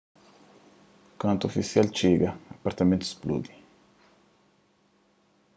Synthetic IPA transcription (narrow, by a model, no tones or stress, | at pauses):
kɐ̃nt̪uofisijalt͡ʃeɡɐɐpaɾt̪amẽnt̪u̥splṵd̪i